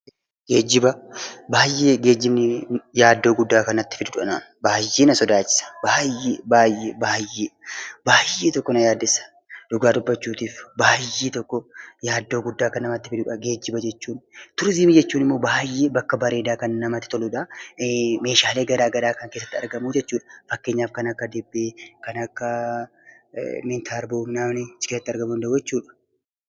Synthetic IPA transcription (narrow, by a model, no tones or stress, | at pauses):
ɡeːd͡ʒːɪbɐbaːjːeːɡe̞ːd͡ʒːɪbnɪjaːd̪ːoːɡʊd̪ːaːkɐnɐt̪ːɪ̥fɪd̪ʊᶑʊᶑɐna̰ːn | baːjːeːnɐsɔd̪aːt͡ʃɪ̥sɐ̥baːjeːbaːjːebaːjːeːbaːjːeːt̪ɔkːɔnɐjaːd̪ːɪsɐ̥ | d̪ʊɡaːd̪ʊbːɐt͡ʃːuːt̪iːfbaːjːeːt̪ɔkːɔjaːd̪ːo̞ːɡʊd̪ːaːkɐnɐmɐt̪ːɪfɪd̪ʊᶑɐɡe̞ːd͡ʒːɪbɐd͡ʒɛt͡ʃːuːnt̪ʊɾziːmɪd͡ʒɛt͡ʃːuːnɪmːo̞ːbaːjːeːbɐkːɐbɐɾeːd̪aːkɐnnɐmɐt̪ːɪt̪ɔluːᶑɐ | me̞ːʃaːle̞ːɡɐɾaːɡɐɾaːkɐŋkesːɐt̪ːɪɐ̰ɾɡɐmuːd͡ʒɛt͡ʃːuːᶑɐ̥fɐkːe̞ːɲːaːfkɐnɐkːɐd̪ɪbːeːkɐnɐkːɐ | mɪnt̪ʰaːɾboːmnaːmnɪ̥kesːɐt̪ːɪɐɾɡɐmund̪ɐd͡ʒɛt͡ʃːuːᶑɐ̥